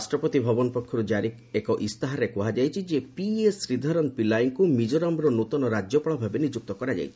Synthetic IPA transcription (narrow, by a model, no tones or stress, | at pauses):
sʈɾɔpɔt̪ibʱɔbɔnɔpɔkʰːɔɾud͡ʒaɾikekɔʔist̪aɦaɾekuɦad͡ʒajt͡ʃʰid͡ʒepiesɾid̪ʱaɾɔnpilajŋkumid͡ʒɔɾɔmɾɔnot̪ɔnɔɾad͡ʒjɔpɔɭɔbʱabenid͡ʒuk̚t̪ɔkɔɾad͡ʒa̰jt͡ʃʰi̥